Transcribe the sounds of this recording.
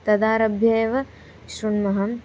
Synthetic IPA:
t̪ɐd̪aːɾɐbʱjɐjɐʋɐ | ʃɾuɳmɐɦɐm

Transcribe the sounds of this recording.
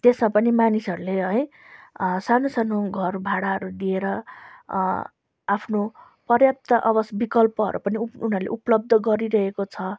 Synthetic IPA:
t̪esmapʌnimanisʌɾuleɦʌj | sanosanoɡʱʌrbʱaɽaɦʌɾud̪ieɾʌ | apʰno | pʌrjap̚t̪ʌʔʌbʌsbikʌlpʌɦʌ̰ɾʔṵpʌniunʌɾulḛʔuplʌb̚d̪ʱʌɡʌɾiɾʌɦekot͡sʰʌ

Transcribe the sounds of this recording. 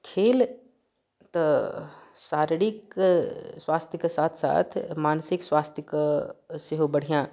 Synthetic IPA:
kʰeːl | t̪ɐ | saːɾɽɪk | swaːst̪ʰjəkesaːt̪ʰsa̰ːt̪ʰmaːnsɪkswaːst̪ʰjəkseɦobɐɽ̤ijãː

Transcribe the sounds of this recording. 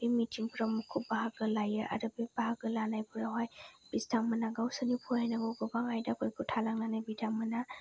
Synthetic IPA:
bimitʰiŋpʰɾamukʰubaɦaɡɯlajɯʔa̰ɾɯbebaɦaɡɯlanajbuɾaɦajb̥istaŋmanaɡawsənipʰuajnaɡɔɡɔbaŋajdakʰojkʰutʰalaŋnanajbidaŋmɯna

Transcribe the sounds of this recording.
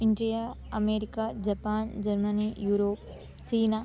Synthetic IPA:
iɳɖija | ɐmeːɾikad͡ʒɐpaːnd͡ʒɐɾmɐnijuːɾoːp̚ | t͡ʃiːna

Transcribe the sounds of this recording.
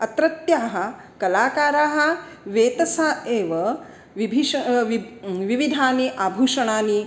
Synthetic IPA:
ɐt̪ɾɐt̪jaːɦɐ̆ | kɐlaːkaːɾaːɦɐ̆ʋeːt̪ɐsaːeːʋɐ | ʋibʱiʃɐʋiʋiʋid̪ʱaːniʔaːbʱuːʂɐɳaːni

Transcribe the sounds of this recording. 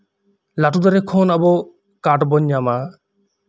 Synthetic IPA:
laʈud̪ɔɾekʰɔːnabɔ | kaʈbɔɲjama

